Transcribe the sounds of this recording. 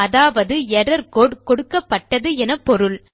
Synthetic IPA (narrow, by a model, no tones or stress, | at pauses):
ɐðaːʋɐðɯɛrɐɾkoːɖkɔɽɯkːɐpːɐʈːɐðɯɛnɐpːɔɾɯɭ